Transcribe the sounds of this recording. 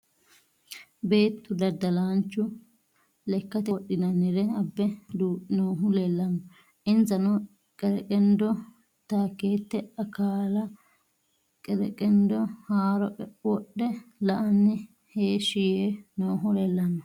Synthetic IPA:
be̞ːt̪ːʊd̪ɐd̪ːɐlaːnt͡ʃːʊ | lɛkːɐt̪ɛɗːɪnɐnːɪɾɛɐbːɛd̪unoːɦʊlɛlːɐnːɔ | ʔɪnzɐnɔ | kʼɛɾɛkʼɛnd̪ɔ | t̪aːkːe̞ːt̪ːɛɐkaːlɐ | kʼɛɾɛ̰kʼɛnd̪ɔhaːɾɔʔʼɛwɔɗːɛlɐʔɐnːɪ | heːʃɪjenoːɦʊlɛlːɐnːɔ

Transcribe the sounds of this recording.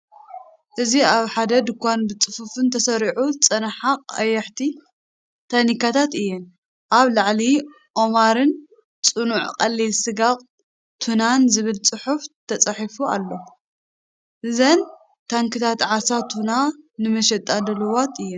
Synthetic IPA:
ʔɨziaβħad̪ɐd̪ɨkʷːanbɨt͡sʼɨfufɨnt̪ʰɐsɐɾiʕut͡sʼɐnħaqʼɐ̰jːɐħt̪ʰi | t̪ʰanikat̪ʰat̪ɨjːɛn | ʔaβlaʕli | ʔo̞maɾɨn | t͡sʼɨnuʕqʼɐlːilsɨɡaqʼ | t̪ʰunanzɨβɨlt͡sʼɨħuft̪ʰɐt͡sʼɐħifua̰lːo̞ | ʔɨzɐn | t̪ʰaŋkʰɨt̪ʰat̪ʕasat̪ʰunanɨmɐʃɛt̪ʼːalɐlɨwat̪ɨjːɛn

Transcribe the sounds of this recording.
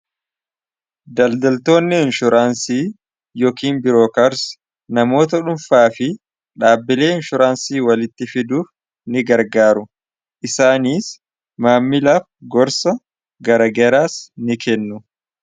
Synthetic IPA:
d̪ɐld̪ɐlt̪o̞ːnːɪɪnʃʊɾʔaːnsiː | joːkiːnbɪɾo̞ːkɐɾs | nɐmo̞ːt̪̬ɐᶑʊnfaːfɪ | ᶑaːbːɪle̞ːɪnʃʊɾaːnsiːwɐlɪt̪ːɪfɪd̪uːf | nɪɡɐɾɡaːɾʊ | ʔɪsaːniːs | maːmːɪlaːfɡɔɾsɐ | ɡɐɾɐɡɛɾaːsnɪkɛnːʊ

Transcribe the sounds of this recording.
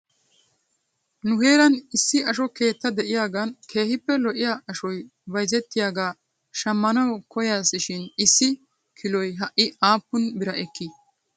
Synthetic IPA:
nʊhe̞ːɾɐnɪsːɪɐʃɔke̞ːt̪ːɐd̪ɛʔɪjaːɡɐnkʰe̞ːhɪpːɛlɔʔɪjaːɐʃɔj | bɐjzɛt̪ːɪjaːɡaː | ʃɐmːɐnɐwkɔjaːsɪʃɪnɪsːɪ | kʰɪlɔjɦɐʔːɪaːpːʊnbɪɾɐʔɛkːɪ

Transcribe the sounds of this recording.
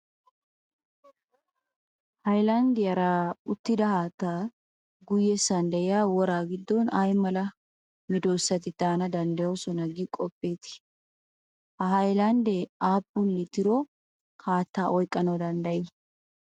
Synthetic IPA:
hɐjlɐnd̪ɪjɐɾaːʊt̪ːɪd̪ɐhaːt̪ːaː | ɡʊjːɛsɐnd̪ɐjɪjaːwɔɾaːɡɪd̪ːɔnajmɐlɐ | mɛd̪oːsːɐt̪ɪt̪aːnɐd̪ɐnd̪ɐjɔsɔnɐɡɪkʼɔpʼːeːt̪ɪ̥ | hɐɦɐjlɐnd̪ɛaːpʼːʊnːɪt̪ɪɾɔ | kʰaːt̪ːaːʔɔjkʼːɐnod̪ɐnd̪ɐjɪ

